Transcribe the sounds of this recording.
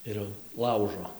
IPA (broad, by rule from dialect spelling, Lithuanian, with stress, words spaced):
ˈɪr jɛʊ ˈlˠɐʊʒoː